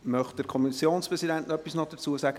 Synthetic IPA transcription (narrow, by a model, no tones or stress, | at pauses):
mœχt̚d̥əɾkʰɔmisjoːnspʁɛsidæntnœpːisnɔd̥ət͡suəsaɡ̥ə